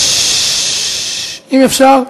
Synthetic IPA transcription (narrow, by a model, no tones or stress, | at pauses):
imefʃaʁ